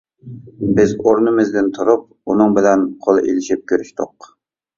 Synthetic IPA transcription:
bɪzoɾnɨmɨzd̪ɪnt̪ʰuɾup̚unɨŋbɪlɛnqʰolˠɨʔḛlɪʃip̚kʲʰøɾyʃt̪ʊ̰q

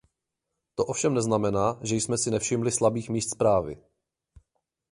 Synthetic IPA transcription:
t̪o̞ʔofʃɛmnɛznamɛnaːʒɛjsmɛsɪnɛfʃɪmlɪslabiːxmiːst̪spɾaːvɪ̰

